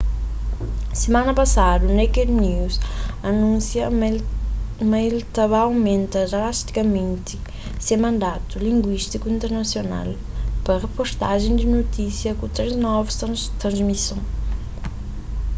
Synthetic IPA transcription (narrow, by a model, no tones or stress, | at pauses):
semanɐpɐsad̪ɐnejked̪niwzɐnũsjɐ | maelt̪avaːwmẽnt̪ɐdalast̪i̥kɐmẽnt̪i̥ | semɐ̃nd̪at̪ulĩŋɡwiʃt̪ikuĩnt̪eɾnɐsjona̰l | pɐʁepost̪aʒẽj̃d̪inot̪isjɐkut̪ɾeznɔvust̪ɾɐ̃zmisõw̃